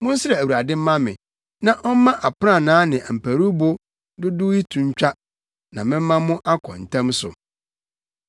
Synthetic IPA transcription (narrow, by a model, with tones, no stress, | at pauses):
mʊ̃˦n̩˦sɪ˦ɾɛ˨æ˨wu˨a˨dɪ̃˦m˦mã˦mɪ̰̃˨ | nã˨ʔɔ˦m˦mã˦ʔa˨pã˦˨nãː˨˦nɪ̃˨ʔm̩˨pʰæ˨ɾu˦bʊ˦ | dʊ˦dʊ˦i˦tʰũ˨ɲ˦t͡ɕᶣa˦ | nã˨mɪ̃˦m˦mã˦mʊ̃˦ʔa˦kʰɔ̰̃˨n̩˨tʰã˦msʊ̰˨